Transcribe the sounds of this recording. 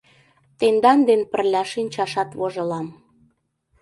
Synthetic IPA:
t̪end̪ɑnd̪enpə̆rlʲɑʃinʲt͡ɕɑʃɑt̪βoʒɤ̆lɑm

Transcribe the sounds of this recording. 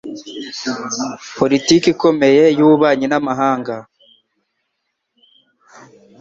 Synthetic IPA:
po̞litiːkiko̞me̞je̞juβaːɲinamaɦaːŋɡa

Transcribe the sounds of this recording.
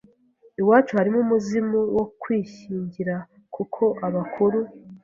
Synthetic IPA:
iwaːt͡ʃuhaɾimumuzimuwokwiːçiːɲɟiɾa | kukʰo̞ʔaβakʰuɾu

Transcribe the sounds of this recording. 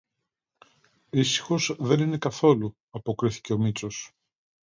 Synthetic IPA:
isi̥xo̞zðe̞nine̞kɐθo̞lu | ɐpo̞kɾiθi̥ce̞o̞mit͡so̞s

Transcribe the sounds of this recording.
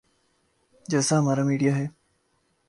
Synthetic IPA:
d͡ʑəsaɦəmaɾamiːɽijaɦe

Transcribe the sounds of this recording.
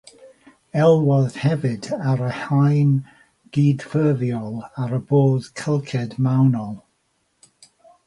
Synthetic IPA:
ɛlˠwɔð̥hɛvɪdaɾəhajn | ɡ̥iːdfɜːðjɔlˠaɾəboːð̥kʰəlˠkʰɛdmawnɔlˠ

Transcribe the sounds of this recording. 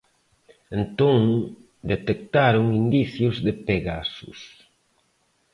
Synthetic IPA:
ẽnt̪oŋ | d̪et̪ek̚t̪aɾoŋind̪iθjʊzðɪpeɣasʊ̰s

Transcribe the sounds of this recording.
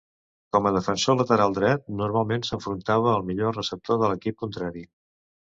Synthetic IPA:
kɔməðəfənsolət̪əɾalˠd̪ɾɛt̪̚nuɾmalˠmensəɱfɾunt̪aβ̞əːlˠmiʎorəsəp̚t̪oðələkip̚kunt̪ɾaɾi

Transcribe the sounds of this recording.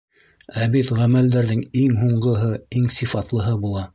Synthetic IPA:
æβit̪ʁæmæld̪æɾðɘŋiŋɦuɴɢɤ̆ɦɤiŋsifɑt̪lˠɤ̆ɦɤbulˠɑ

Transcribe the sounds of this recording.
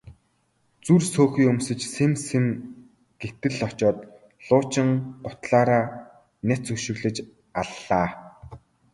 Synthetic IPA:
t͡sursoːxiːɵmsɘ̆t͡ɕsemsĕm | ɡ̥et̪ɘ̆ɮɔt͡ɕɔːt̪ | ɮʊːt͡ɕɪ̆ŋɢʊt̪ɮaːɾaː | næt͡sɵkʃɪ̆ɣɮɘ̆t͡ɕ | aɮːaː

